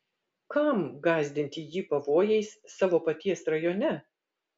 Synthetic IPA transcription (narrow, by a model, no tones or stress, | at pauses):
kɐmɡɑːzʲd̪ʲɪnʲt̪ʲijiːpɐʋoːjɛɪssɑːʋoːpɐt̪ʲiɛsɾɐjoːnʲɛ